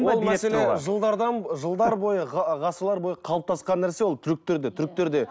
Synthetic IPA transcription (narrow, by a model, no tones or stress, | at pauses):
olˠmæse̞leʒəlˠd̪ɑɾd̪ɑnʒəlˠd̪ɑɾbo̞jəʁʁɑsəɾlˠɑɾbo̞jəqʰɑlˠəp̚t̪ʰɑsqɑnːæɾse̞wolˠt̪ʰʏɾɪk̚t̪eɾd̪et̪ʰʏɾɪk̚t̪eɾd̪e̞